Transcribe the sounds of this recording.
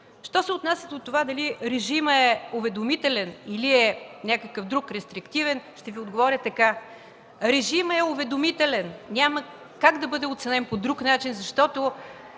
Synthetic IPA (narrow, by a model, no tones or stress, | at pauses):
ʃt̪ɔsɛot̪nasʲəd̪ot̪ːovad̪ɐliɾɛʒiməɛʊvɛd̪omit̪ɛlɛniliɛnʲakəkəfd̪ɾukɾɛst̪ɾikt̪ivɛnʃt̪ɛviod̪ɡovɔɾʲjət̪ɐka | ɾɛʒimɛʊvɛd̪omit̪ɛlɛnnʲamə | kaɡd̪ɐbɤd̪ɛot̪sɛnɛnpod̪ɾuknat͡ʃinzɐʃt̪ɔt̪ʊ